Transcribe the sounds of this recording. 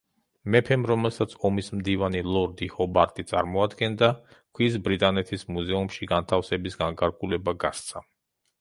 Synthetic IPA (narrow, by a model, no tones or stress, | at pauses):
mɛpʰɛmɾɔmɛlˠsat̪sʰɔmismd̪ivanilˠɔɾd̪ihɔbaɾt̪ʼit̪sʼa̰ɾmɔad̪ɡɛnd̪akʰwis̬bɾit̪ʼanɛt̪ʰismuzɛumʃiɡant̪ʰafsɛbisɡaŋkʰʼaɾɡʼulɛbaɡa̰st̪sʰa